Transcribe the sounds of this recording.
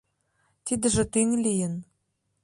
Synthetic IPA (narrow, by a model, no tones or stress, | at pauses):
t̪id̪ɘ̆ʒɘ̆t̪iŋlʲijɘ̆n